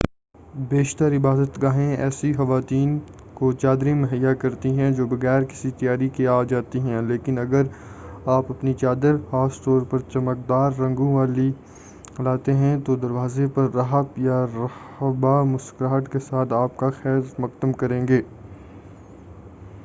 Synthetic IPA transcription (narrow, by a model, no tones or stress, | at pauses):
beːʃt̪əɾɪbaːd̪ət̪ɡaːɦẽɛːsixɐʋaːt̪iːn | kot͡ʃaːd̪ɾẽmɐɦəjːakɐɾt̪iɦɛ̃d͡ʒoːbɐɣɛːɾkɪ̥sit̪ijaːɾikeaːd͡ʒaːt̪iɦɛ̃leːkɪnɐɡəɾaːpɐpnit͡ʃaːd̪əɾhaːst̪ɔːɾpɐɾt͡ʃɐmək̚d̪aːɾːɐ̃ŋɡõʋaːli | laːt̪eɦɛ̃t̪od̪ɐɾʋaːzepɐɾːɐɦəpjaɾɐ | bamʊskɾaːʈkesaːt̪ʰaːpkaxɛːɾmʊqd̪əmkɐɾẽːŋɡeː